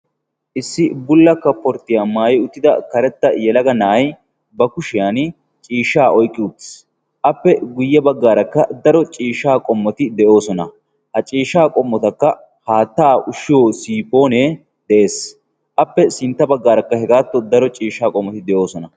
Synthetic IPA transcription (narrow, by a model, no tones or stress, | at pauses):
ʔɪsːɪbʊlːɐkːɐpːɔɾt̪ːɪjamaːjɛʊt̪ːɪd̪ɐkɐɾɛt̪ːɐjɛlɐɡɐnaːj | bɐkʊʃɪjan | t͡ʃʼiːʃːaːʔɔjkʼːɪʊt̪ːɪ̥s | ʔɐpːɛɡʊjːɐbɐɡːaːɾɐkːɐd̪ɐɾɔt͡ʃʼiːʃaːkʼɔmːɔt̪ɪd̪ɛjo̞ːsɔnɐ̰ | hɐt͡ʃʼiːʃaːkʼɔmːɔt̪ɐkːɐ | haːt̪ːaːʔʊʃɪjoːsiːpːo̞ːne | d̪̥ɛʔe̞ːs | ʔɐpːɛsɪnt̪ːɐbɐɡːaːɾɐkːɐhɛɡaːt̪ːɔd̪ɐɾɔt͡ʃʼiːʃːaːkʼɔmːɔt̪ɪd̪ɛjo̞ːsɔnɐ